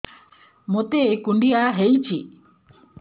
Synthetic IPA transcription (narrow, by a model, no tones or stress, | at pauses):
mot̪ekuɳɖijaɦejt͡ʃʰi